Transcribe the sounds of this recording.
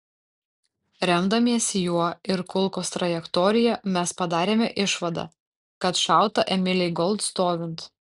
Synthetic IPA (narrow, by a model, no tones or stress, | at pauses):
ɾʲɛmd̪ɐmʲiɛsʲɪjuɔɪɾkʊlˠkoːst̪ɾɐjɛkt̪ɔːɾʲɪjɛmʲɛspɐd̪ɑːɾʲeːmʲɛʔɪʃʋɐd̪ɐ̰ː | kɐt̪ʃɑˑʊt̪ɐʔɛmʲɪlʲɛɪɡɔlˠt̪st̪oːʋʲɪnt̪